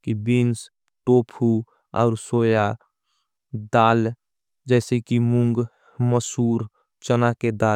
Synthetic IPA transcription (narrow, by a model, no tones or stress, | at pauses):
kibins | ʈoːpʰu | ɔ̰ːɾsoːja | d̪aːl | d͡ʒɛːsekimʊŋɡ | məsuːɾ | t͡ʃənaked̪aː